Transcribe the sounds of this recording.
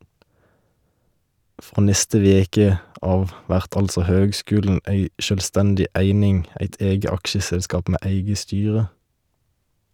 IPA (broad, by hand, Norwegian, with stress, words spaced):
ˈfʁoː ˈnɛstə ˈʋeːkə ˈɑːʋ ˈʋæʁt ˈɑlsɔ ˈhøːɡˌskʉːln̩ ˈeɪ ʃœlˈstɛndɪ ˈʔæɪnɪŋ ˈæɪt ˈeːɡə ˈɑkʃəsɛlˌskɑːp ˈmeː ˈæɪɡə ˈstyːʁə